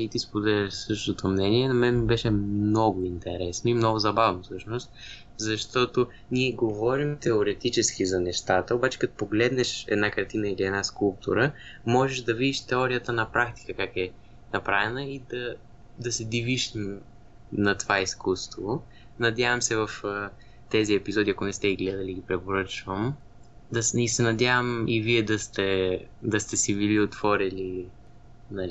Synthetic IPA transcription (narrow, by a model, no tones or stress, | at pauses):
it̪ispod̪ɛlʲəʃsɤʃt̪ot̪omnɛniɛnɐmɛnmibɛʃɛmnɔɡʊint̪ɛɾɛsnoimnɔɡʊzɐbavnofsɤʃnost̪ | zɐʃt̪ɔt̪o | niɛɡovɔɾimt̪ɛoɾɛt̪it͡ʃɛskizɐnɛʃt̪at̪əobat͡ʃɛ̥kɐt̪o̥poɡlɛd̪nɛʃɛ̰d̪nakɐɾt̪inəiliɛd̪naskulˠp̚t̪ʰṵɾə | mɔʒɛʃd̪ɐvid̪iʃt̪ɛɔɾijət̪ənɐpɾakt̪i̥kəkakɛ | nɐpɾavɛnəid̪ɐ | d̪ɐsɛd̪iviʃ | nɐt̪ovaiskust̪vo | nɐd̪ʲjavəmsɛvəf | t̪ɛziɛpizɔd̪iɐkʊnɛst̪ɛiɡlɛd̪ɐliɡipɾɛpoɾɤt͡ʃvəm | d̪ɐsisɛnɐd̪ʲjavəmiviɛd̪ɐst̪ɛd̪ɐst̪ɛsiviliot̪vɔɾili | nɐl